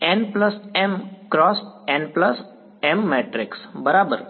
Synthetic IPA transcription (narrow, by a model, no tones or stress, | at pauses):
enplɐsemkɾɔːsẽnpləs | emːeːʈɾɪksbəɾaːbəɾ